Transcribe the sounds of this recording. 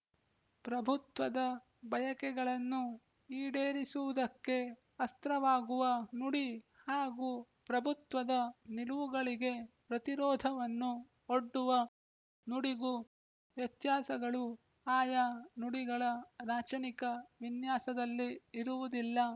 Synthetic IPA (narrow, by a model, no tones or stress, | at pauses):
pɾɐbʱut̪ʋɐd̪ɐ | bʱɐjɐkɛɡɐɭɐnːu | iːɖeːɾisuʋud̪ɐkːe̞ | ɐst̪ɾɐʋaːɡuʋɐnuɽi | haːɡuː | pɾɐbʱut̪ʋɐd̪ɐniluʋuɡɐɭiɡe̞pɾɐt̪iɾɔːd̪ʱɐʋɐnːu | oɖːuʋɐ | nuɽiɡu | ʋjɐt̪jaːsɐɡɐɭu | aːjanuɽiɡɐɭɐɾaːt͡ʃɐnikɐʋinjaːsɐd̪ɐlːiːɾuʋud̪ilːɐ